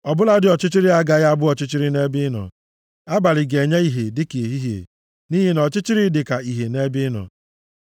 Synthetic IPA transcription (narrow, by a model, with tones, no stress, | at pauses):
ɔ˨bʊ˦la˦dɪ˦ɔ˨t͡ʃɪ˦t͡ʃɪ˦ɾɪ˦a˦ɡa˦ɣa˦bʊ˦ɔ˨t͡ʃɪ˦t͡ʃɪ˦ɾɪ˦ne˦bɪ˦nɔ̰˨ | a˦ba˨lɪ˨ɡe˨ɲe˦i˦ɦe˨dɪ˦ke˨e˨ɦi˦ɦḛ˨ | ni˦ɦi˦nɔ˨t͡ʃɪ˦t͡ʃɪ˦ɾi˦dɪ˨ka˨i˨ɦe˨ne˦bɪ˦nɔ̰˨